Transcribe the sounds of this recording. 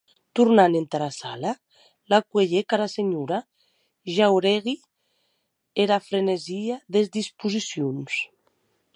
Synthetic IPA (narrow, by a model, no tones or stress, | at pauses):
t̪uɾnanent̪aɾasala | lakweʎekaɾaseɲuɾa | ʒawɾeɣi | eɾafɾeneziaðezd̪ispuzisjuns